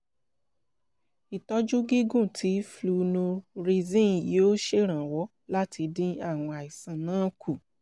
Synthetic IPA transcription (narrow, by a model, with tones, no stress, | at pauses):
i˨tɔ˦d͡ʒu˦ɡi˦ɡũ˦˨tʰi˨˦flu˧nũ˧ɾi˧zĩ˦˨ji˨˦o˦ʃe˦ɾ̃ã˨wɔ˨˦ | la˦ti˧dĩ˦a˦˨w̃ɔ̃˧a˨i˨sã˨nãː˨˦ku˦˨